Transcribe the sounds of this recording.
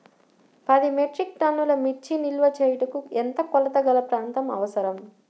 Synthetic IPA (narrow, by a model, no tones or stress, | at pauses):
pɐd̪imeʈɾik̚ʈɐnːulɐmiʈt͡ʃːinilʋɐt͡ʃejʈɐkuent̪ɐkɔlɐt̪ɐɡɐlɐpɾaːnt̪ɐmɐ̰ʋɐsɐɾɐm